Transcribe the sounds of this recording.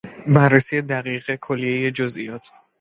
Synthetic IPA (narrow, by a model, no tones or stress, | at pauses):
bærːesije̞d̪æɣiːɣe̞kʰolːije̞je̞d͡ʒozijɒːt̪ʰ